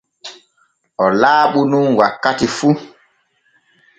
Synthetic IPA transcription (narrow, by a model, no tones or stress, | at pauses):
ʔɔlaːɓununwakːatifu